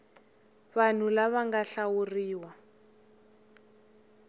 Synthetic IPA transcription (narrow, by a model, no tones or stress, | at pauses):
βan̤ulaβaŋɡaɬawuriːwa